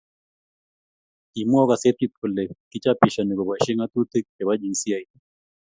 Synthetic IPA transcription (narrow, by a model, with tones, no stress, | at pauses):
i˨m˦ɔ˦ka˨se˦t̪i˦t̪̚ko˨le˨ki˦t͡ʃa˦pi˨ʃa˨ni˨ko˨ba˨ʃi˦ŋa˦t̪u˦t̪e˦k̚ke˨βa˦d͡ʒi˨nsi˦a˨i˨